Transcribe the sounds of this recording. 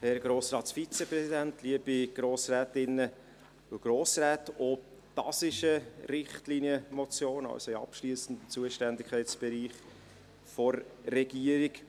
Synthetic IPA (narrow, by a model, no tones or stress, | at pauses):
hɛɾɡ̥ɾoːsɾɑːtsfit͡sɛpɾɛsid̪æntʰliəb̥iɡ̥ɾoːsræːtɪnːə | ʊɡ̥ɾoːsɾæːtɔ | tɑ̰sɪʃəɾɪχtliniəmɔt͡sjoːnɑ̰lsoiɑ̰pʃliəsən̩d̪ət͡suəʃtændɪkʰχɛɪtsb̥ɛɾiːχ | fɔɾːɛɡ̥iəɾik